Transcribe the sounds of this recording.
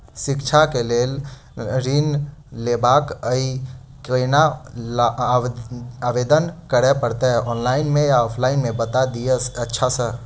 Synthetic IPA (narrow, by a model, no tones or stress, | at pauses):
ʃɪkt͡ʃʰakeleːl | ɾiːnleːbaːkəi | kena | aːʋeːd̪ənkəɽepəɽt̪eɦɛʔɔːnlaːɪnmẽjaɔːpʰlaːɪnmẽbət̪ad̪ieətːʃʰasə